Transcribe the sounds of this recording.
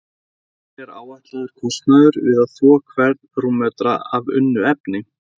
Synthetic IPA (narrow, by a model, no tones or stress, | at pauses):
ɛɾa̰ːwaht̪laðʏɾ̥kʰɔst̪naðʏɾvɪðaðθvɔːkʰvɛɾt̪rumœt̪ɾaavʏ̰nːʏɛpnɪ